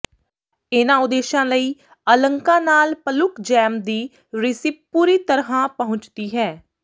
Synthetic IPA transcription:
ɪnãːʊd̪eːʃãːləiː | ələŋkãːnaːlpəlʊkd͡ʒɛːmd̪iː | ɾɪsip̚puːɾiːt̪əɾɦãːpəɦʊ̃t͡ʃt̪iːɦɛː

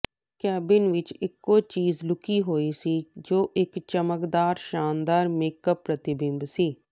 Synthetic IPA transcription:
kɛːbɪnʋɪt͡ʃɪkːoːt͡ʃiːzlʊkiːɦoːiːsiːd͡ʒoːʔɪkt͡ʃəməkd̪aːɾʃaːnd̪aːɾmeːkəpːɾət̪ɪbɪ̃mbsiː

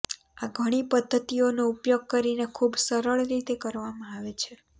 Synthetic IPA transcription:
aɡʱəɽ̃ipəd̪ʱːət̪ionoupjoɡ̚kəɾinekʰubsəɾəɭɾit̪ekəɾʋamãaʋet͡ʃʰe

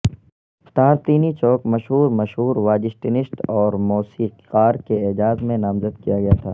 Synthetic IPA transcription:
ft̪aːɾt̪iːnit͡ʃɔːkmɐʃɦuːɾmɐʃɦuːɾʋaːd͡ʒɪsʈɪnɪsʈɔːɾmoːsiːqaːɾkeed͡ʒaːzmẽnaːmzəd̪kijaɡɐjat̪ʰaː

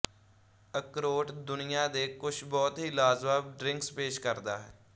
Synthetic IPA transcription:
əkɾoːʈd̪ʊnɪjãːd̪eːkʊt͡ʃʰbɔːt̪ɦiːlaːzbaːb̚ɖɾɪ̃ŋkspeːʃkəɾd̪aːɦɛː

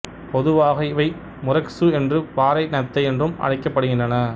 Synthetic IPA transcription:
pɔðɯʋaːɣɐɪʋɐɪ | mʊɾɐksɯɛndrɯpaːɾɐɪnɐt̪ːɐɪɛndrɯmɐ̰ɻɐɪkːɐpːɐɽɯɣɪndrɐnɐ

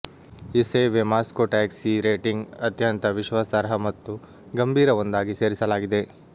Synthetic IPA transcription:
iseʋemaːskoʈaːksiɾeːʈiŋɡɐt̪jɐnt̪ɐʋiʃʋasɐɾɦɐmɐt̪ːu | ɡɐmbʱiːɾɐʋond̪aːɡise̞ːɾisɐlaːɡid̪e̞

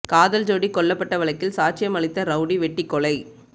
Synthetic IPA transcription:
kaːðɐld͡ʒoːɽikːɔɭːɐpːɐʈːɐʋɐɭɐɪkːɪlsaːʈ̚t͡ʃɪjɐmɐɭɪt̪ːɐɾɐʊɽiʋɛʈːikːɔɭɐɪ

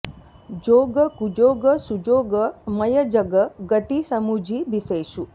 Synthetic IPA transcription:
d͡ʒoɡəkud͡ʒoɡəsud͡ʒoɡəmɐjəd͡ʒəɡəɡət̪isɐmud͡ʒʱibiseʃu

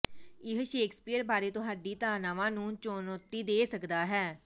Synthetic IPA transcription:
ɪɦʃeːkspiːəɾbaːɾeːt̪ʊɦaːɖiːt̪aːɾnaːʋãːnũːt͡ʃoːnot̪ːiːd̪eːsəkd̪aːɦɛː

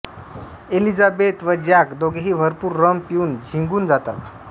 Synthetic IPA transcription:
elid͡zabet̪ʋəd͡ʑjakd̪oɡeɦiːʋʱəɾpuːɾːəmpiuːnd͡ʑʱiŋɡuːnd͡zat̪at̪̚

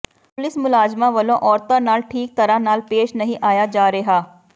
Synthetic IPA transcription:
pʊlɪsmʊlaːd͡ʒmãːʋəlõːʔɔːɾt̪ãnaːlʈʰiːk̚t̪əɾanaːlpeːʃnəɦĩʔaːjad͡ʒaːɾeɦaː

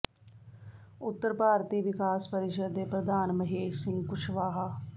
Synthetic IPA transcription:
ʊt̪ːəɾpaːɾt̪iːʋɪkaːspəɾɪʃəd̪eːpɾəd̪aːnməɦeːʃsɪ̃ŋɡkʊʃʰʋaːɦaː

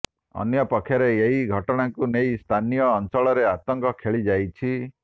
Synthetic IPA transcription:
ɔ̰njɔpɔkʰjɔɾeeɦiɡʱɔʈɔɽ̃aŋkunejst̪ʰanijɔːnt͡ʃɔɭɔɾeat̪ɔŋkɔkʰeɭid͡ʒajt͡ʃʰi

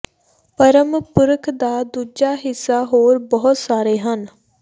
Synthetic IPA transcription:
pəɾəmpʊɾəkʰd̪aːd̪uːd͡ʒaːɦɪsːaːɦoːɾbəɦʊt̪saːɾeːɦən

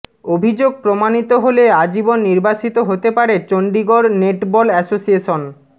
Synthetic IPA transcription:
obʱid͡ʑoɡ̚pɾomanit̪oɦolead͡ʑibonːiɾbat͡ɕit̪oɦot̪epaɾet͡ɕoɳɖiɡoɾneʈbɔlɛsosieʃon

